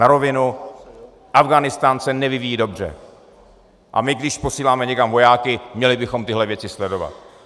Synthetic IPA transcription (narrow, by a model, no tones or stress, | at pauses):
aɾo̞vɪnu | ʔavɡanɪst̪aːnsɛnɛvɪvijiːdo̞br̝ɛ̰ | ʔa̰mɪɡdɪʃpo̞siːlaːmɛɲɛkamvo̞jaːkɪmɲɛlɪbɪxo̞mt̪ɪɦlɛvjɛt͡sɪslɛdo̞va̰t̪̚